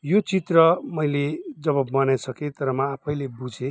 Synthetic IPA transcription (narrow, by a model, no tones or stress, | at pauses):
jot͡sit̪rʌmʌjled͡zʌbʌbmʌnajsʌket̪ʌɾʌmaːpʰʌjlebud͡zʱe